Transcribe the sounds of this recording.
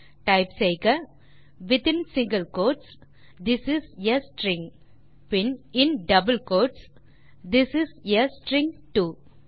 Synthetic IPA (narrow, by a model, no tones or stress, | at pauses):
ʈɐɪpseɪkɐ | ʋɪt̪ɪ̃nsɪ̃ŋɡɐlkoːʈs | d̪ɪsɪsjɐsʈɾɪ̃ŋ | pɪnɪ̃nɖɐbəlkoːʈs | d̪ɪsɪsjɐsʈɾɪ̃ŋʈuː